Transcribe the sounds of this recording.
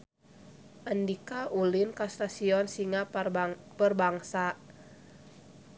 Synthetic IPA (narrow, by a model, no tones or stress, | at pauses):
ʔandikaʔulinkast̪asiɔnsiŋa | bərbaŋsa